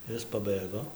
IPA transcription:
ˈɪs pɐˈbɘɡoː

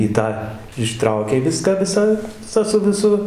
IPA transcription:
ɪ ˈtɑː ɪˈʃtrɐʊkʲɛɪ ˈʋʲɪskɑː ˈʋʲɪsɑː tɑː sʊ ʋʲɪˈsʊ

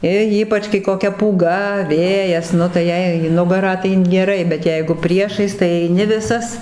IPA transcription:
ɪ ˈiːpɐt͡ʃ kɐɪ koːˈkʲɛ puːˈɡɐ ˈʋʲeːjɛs ˈnʊ tɐɪ ˈjɛɪ iː ˈnʊɡɐrɑː tɐɪ ɡʲɛˈrɐɪ bʲɛt ˈjɛɪɡʊ ˈpʲrʲiɛʃɐɪs tɐɪ ɛɪˈnʲɪ ˈʋʲɪsɐs

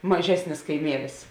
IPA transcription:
mɐˈʒʲæːsʲnʲɪs kɐɪˈmʲiɛlʲɪs

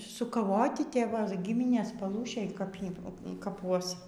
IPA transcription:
sʊkɐˈʋoːtʲɪ tʲɛ ˈʋɐ ˈɡʲɪmʲɪnʲeːs pɐˈlˠuːʃʲeːj kɐp ˈjiː kɐˈpuɔs

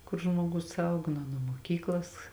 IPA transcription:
kʊr ʒmuɔˈɡʊs ˈɐʊɡɐ nuɔ ˈnuɔ muɔˈkʲiːklˠɐs

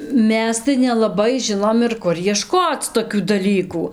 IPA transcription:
ˈmʲɛs tɐɪ nʲɛlˠɐˈbɐɪ ˈʒʲɪnoːm ɪr ˈkʊr jiɛˈʃkoːt͡s toːˈkʲuː dɐˈlʲiːkuː

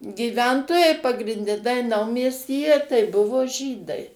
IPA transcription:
ɡʲiːˈʋʲɛntoːjɛɪ pɐɡrʲɪnʲˈdʲɛ tɐɪ ˈnɐʊmʲiɛsʲtʲiːjɛ tɐɪ ˈbʊʋoː ˈʒʲiːdɐɪ

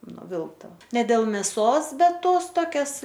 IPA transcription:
nʊˈʋʲɪlˠktɐ nʲɛ ˈdʲeːlˠ mʲɛˈsoːs ˈbʲɛt ˈtoːs ˈtoːkʲɛs

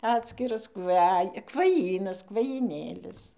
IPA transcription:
ˈɑːtʲsʲkʲɪrɐs ˈkʋɐj kʋɐˈjiːnɐs kʋɐjiːˈnʲeːlʲɪs

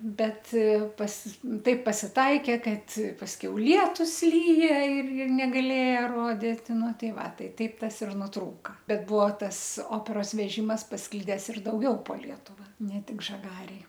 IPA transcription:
ˈbʲɛt pɐs ˈtɐɪp pɐsʲɪˈtɐɪkʲeː ˈkɐt pɐsʲˈkʲɛʊ ˈlʲiɛtʊs ˈlʲiːjɛ ɪr ɪr nʲɛɡɐˈlʲeːjɛ ˈroːdʲɪt ˈnʊ ˈtɐɪ ˈʋɐ ˈtɐɪ ˈtɐɪp ˈtɐs ɪr nʊˈtruːkɐ ˈbʲɛt ˈbʊʋoː ˈtɐs ˈoːpʲɛroːs ʋʲɛˈʒʲɪmɐs pɐsˈklʲɪdʲɛs ɪr dɐʊˈɡʲɛʊ poː ˈlʲiɛtʊʋɐ nʲɛ ˈtʲɪk ʒɐˈɡɑːrʲeːj

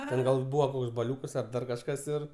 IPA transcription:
ˈtʲɛn ɡɐlˠ ˈbuːʋoː ˈkoːks bɐˈlʲuːkɐs ɐr ˈdɐr kɐʃˈkɐs ɪr

